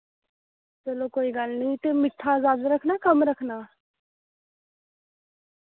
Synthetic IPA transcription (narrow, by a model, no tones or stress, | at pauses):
t͡ʃəloːkoːiːɡalnĩt̪emɪʈʰːazaːd̪ɾəkʰnaːkəmɾəkʰnaː